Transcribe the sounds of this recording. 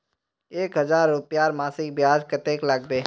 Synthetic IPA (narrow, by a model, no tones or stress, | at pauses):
eːkɦɐzaːɾːʊpjaːɾmaːsɪk̚bjaːd͡ʒkət̪eːklaɡbeː